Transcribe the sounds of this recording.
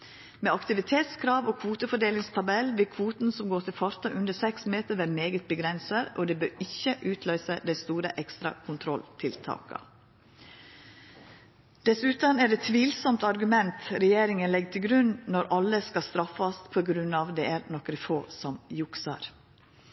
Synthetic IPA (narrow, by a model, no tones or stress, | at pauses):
mɛːɑkt̪ɪʋɪt̪ʰeːt̪skʰɾɑːʋoːkʰʋuːt̪əfɔɖeːlɪŋst̪ʰɑbɛlʋɪɾkʰʋuːt̪n̩sɔmɡoːt̪ɪlfɑɾt̪ɑʔʉnd̪əsɛksmeːt̪əɾʋæːmeːɡət̪̚bəɡɾɛnsəɾo̰ːd̪ɛbøːɾɪçəʔʉːt̪ʰlœʏsəd̪æɪst̪uːɾəʔɛkst̪ɾɑ̰kʰʊnt̪ʰɾɔlt̪ʰɪlt̪ʰɑ̰ːkɑ̰ | d̪̥ɛsʉt̪əɑnæːɖɛt̪ʰʋiːlsɔmt̪ɑɾɡʉmɛnt̪ɾɛjeːɾɪŋənlɛɡt̪ʰɪlɡɾʉnnɔɾʔɑlːəskɑst̪ɾɑfːɑspʰoːɡɾʉnːɑːʋd̪ɛʔæɾnɔkːɾɪfoːsɔmjʊksɑ̰ɾ